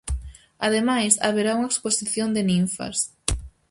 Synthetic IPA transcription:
aðemajsaβeɾauŋaeksposiθjond̪enĩɱfɐ̰s

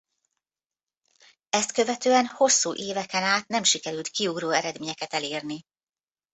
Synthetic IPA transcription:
ɛst̪kø̞vɛt̪øːɛnho̞sːuːʔeːvɛkɛnaːt̪nɛmʃikɛɾylt̪kiuɡɾoːɛɾɛd̪meːɲɛkɛt̪ɛleːrni

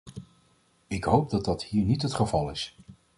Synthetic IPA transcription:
ɪkɦowp̚dɑd̚ɑthiːɹnitɦətχəvɑlˠɪs

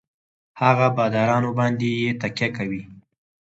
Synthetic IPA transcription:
haɣabɑd̪ɑɾɑnobɑnd̪ejet̪akjakawi

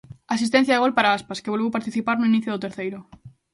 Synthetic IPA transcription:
asist̪ẽn̟θjaðeolpaɾaaspaskeβolβewpaɾt̪iθipaɾnoiniθjoðot̪eɾθejɾo

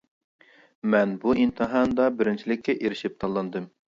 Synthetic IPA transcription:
mɛnbuint̪ʰɨɦɑnd̪ɑbɪɾɪnt͡ʃʰilɪkʲːɛʔeɾɪʃip̚t̪ʰɑlˠːɑnd̪ɨm

